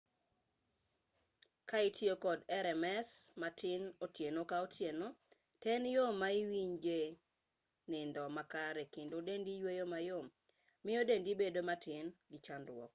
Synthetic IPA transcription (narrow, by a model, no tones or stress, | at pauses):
kaitʰiokɔdɛɾɛmɛsmatɪnotjenokaotʰjeno | tɛnjomːaiwiɲɡe | nɪndɔmakaɾɛkendodendijwejomajomː | ɪodendibedomatɪnɡɪt͡ʃandwɔ̰k